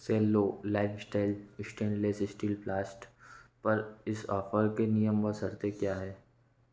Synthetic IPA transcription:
seːlːoːlaːɪfsʈaːɪlɪsʈẽːnleːsɪsʈiːlplaːsʈpɐɾɪsɔːfəɾkenijəmʋəsɐɾt̪ekjaːɦɛː

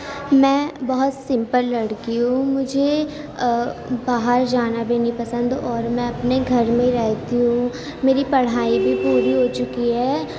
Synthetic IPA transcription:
mɛ̃ːbɐɦʊt̪sɪ̃mpəlːɐɽkiɦũmʊd͡ʒʱe | baːɦəɾd͡ʒaːnabʱenĩpɐsə̃nd̪ɔːɾmɛ̃ɐpneɡʱɐɾmẽɾɛɦt̪iɦũ | meːɾipɐɽ̤aːibʱipuːɾiɦot͡ʃʊkiɦɛː

